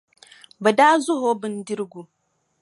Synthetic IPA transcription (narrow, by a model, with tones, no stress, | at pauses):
bɐ˨da˦zʊ˦ɦo˦bɨ˦ndi˦ɾɡu˨